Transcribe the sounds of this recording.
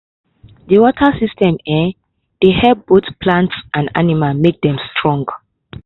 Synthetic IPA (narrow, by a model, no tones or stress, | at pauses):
ðəwɔtʰəsistʰɛ̃mɛ | dehɛbotpʰlãntsʔãnda̰nimalmek̚dɛ̃mstʰɹɔ̃ŋɡ